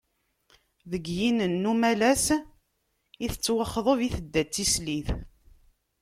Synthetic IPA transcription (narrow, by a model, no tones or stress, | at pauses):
ðəɡjinənːumælæs | iθət͡sːwəχːðˤoðiθəd̪ːæt͡sːisliθ